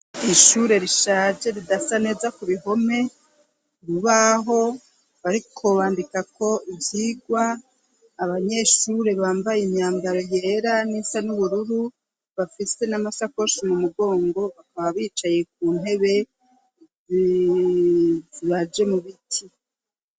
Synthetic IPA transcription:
iʃuɾe̞ɾiʃaːd͡ʒe̞ɾidasane̞ːzakuβiɦo̞me̞ | uɾuβaɦo̞ | βaɾikʰo̞βaːndikako̞ivjiːɡwaː | βaɲe̞ʃuɾe̞βaːmbajemjaːmbaɾo̞je̞ːɾanisanuβuɾuɾu | βafise̞namasako̞ʃimumuɡo̞ːŋɡo̞βakaβaβiːt͡ʃaje̞k̚uːnɦe̞βe̞ | ziβad͡ʒe̞muβitʰi

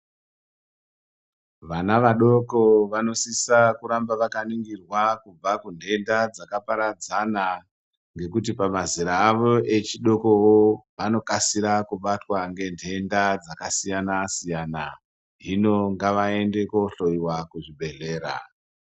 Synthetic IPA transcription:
ʋanaʋaɗo̞ko̞ʋano̞sisakuɾambaʋakaniŋɡirwakub͡vakundʱe̞ndad͡zakapaɾad͡zana | ŋɡe̞kutipamaziɾaːʋo̞ʔe̞t͡ʃiɗo̞kowoʋano̞kasiɾakuɓatwaŋɡe̞ndʱe̞ndad͡zakasijanasijana | ɦino̞ŋɡaʋae̞nde̞ko̞ɬo̞iwakuʐibʱe̞ɮe̞ːɾa̰

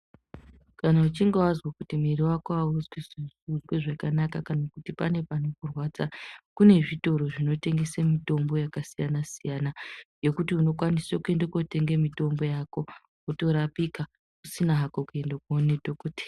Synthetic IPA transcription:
kanaut͡ʃiŋɡewazwakutimiriwakoauzwiizud͡ʒweʐakanakakanakutipane̞panokurwat͡sakune̞ʐito̞ɾo̞ʐino̞te̞ŋɡesemito̞mbo̞jakasijanasijanaje̞kutiuno̞kwanisokue̞ndokote̞ŋɡemito̞mbo̞jako̞ | kuto̞ɾapika | kusinaɦakokue̞ndakonedʱokoːte̥

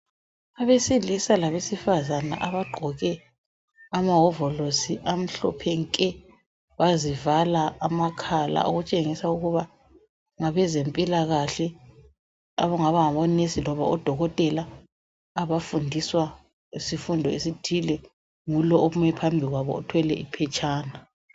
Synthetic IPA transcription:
aβesilisalaβesifazana̰ʔaβaɡ͡ǃʱɔɣɛ | amaɦɔvɔlosiʔam̩ɬɔ̰pʰɛŋkʼɛ | βazivalaːmakʰala̰o̰ɣut͡ʃʼeŋisauɣuβa | ŋaβɛzempʼilaɣaɬɛ | a̰βɔŋaβaŋaβɔnesilɔβa̰ɔd̥ʱɔɣɔtʼɛlaː | βafundʱiswa | isifundʱɔesid̥ʱilɛ | ŋulɔʔoumɛpʰambʱiɣwaβɔ̰ɔtʰwɛlɛ̰ḭpʰɛt͡ʃʰʼaːna

